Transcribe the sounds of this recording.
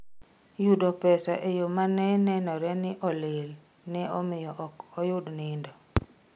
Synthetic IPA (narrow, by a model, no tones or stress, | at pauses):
jʊdɔpɛsaʔejomanɛnɛnɔɾɛnɪʔɔleɾinɛɔmɪjɔʔɔkɔjʊdnɪndɔ